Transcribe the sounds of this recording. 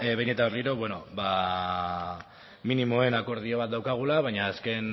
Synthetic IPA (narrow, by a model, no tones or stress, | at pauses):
βjne̞t̪aβeriɾo̞βwe̞no̞ba | minimo̞e̞nako̞ɾð̞io̞βat̪̚d̪awkaɣ̞ulaβajɲaːske̞n